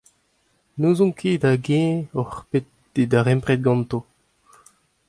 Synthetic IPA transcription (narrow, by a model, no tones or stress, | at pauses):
nuːzɔ̃ŋkʰeːd̪aɡɛ̃ɔχpet̪̚ː | edaʁɛ̃mpʁɛt̪̚ɡɑ̃nt̪o